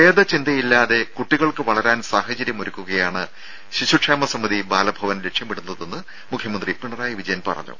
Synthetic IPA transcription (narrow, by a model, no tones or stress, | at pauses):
eːd̪ɐt͡ɕind̪ɐjilːaːðe̞kuʈːiɣɐɭkɨʋɐɭɐɾaːnsaːɦɐt͡ɕɐɾjɐmoɾukʲːuɣɐjaːɳɨ | ɕiɕuʈʂaːmɐsɐmːɐðibaːlɐbʱɐʋɐnle̞kʂjɐmeɽunːɐðenːɨ | mukʰjɐmɐnd̪ripiɳɐraːjiʋid͡ʑɐjɐnpɐ̰rɐ̰ɲːṵ